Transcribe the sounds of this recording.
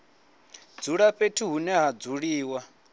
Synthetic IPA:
d͡zuɺaɸetʰiɦunɛɦad͡zuɺiːwa

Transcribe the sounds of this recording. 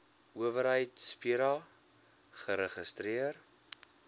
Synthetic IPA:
uəvəɾɦəjtspiɾɑ | χəɾəχəstɾiər

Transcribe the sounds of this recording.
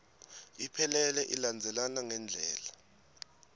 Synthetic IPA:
ipʰɛlɛlɛʔiland͡zʱɛlanaŋɛnd͡ɮʱɛːla

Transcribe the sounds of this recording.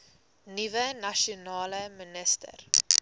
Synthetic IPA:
nivənɐʃonɑːləmənəstə̰r

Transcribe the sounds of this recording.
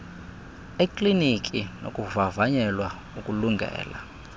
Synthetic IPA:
ikʼlinik̬ʼino̰kʼuvavaɲɛlwa | ukʼuluŋɡʱɛ̰ːla̰

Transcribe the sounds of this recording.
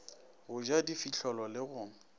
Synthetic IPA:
ɣʊd͡ʒadifiɬʰɔlɔlɪɣʊːŋ̩

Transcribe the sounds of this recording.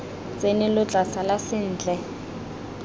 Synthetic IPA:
t͡sʼenɪlʊt͡ɬʼasalasɪn̩ːd͡ɮʱɛ

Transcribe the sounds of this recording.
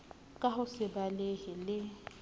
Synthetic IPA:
kʼaɦʊsɪbalehɪlɪ

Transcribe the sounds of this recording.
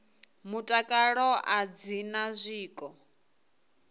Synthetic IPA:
mutʼakʼaɺɔʔad͡zinazʷiːkʼɔ

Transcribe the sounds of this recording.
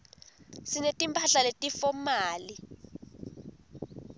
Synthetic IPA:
sinetʼimpʰaɬaletʼifomaːli

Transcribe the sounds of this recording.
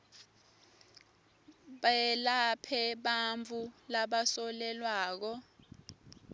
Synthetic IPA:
ɓaɛlapʰɛɓaɱvulaɓasɔlɛlwaːk̬ɔ

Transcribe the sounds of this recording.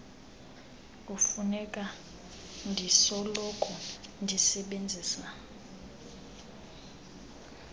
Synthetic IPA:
kʼufunɛkʼa | ndʱisɔlɔkʰʼɔndʱisɛɓend͡zʱiːsa

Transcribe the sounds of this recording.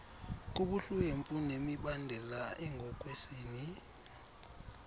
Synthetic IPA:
k̬uɓuɬueɱfʼunemiɓandʱɛlaɛŋʱɔk̬ʼwesiːni

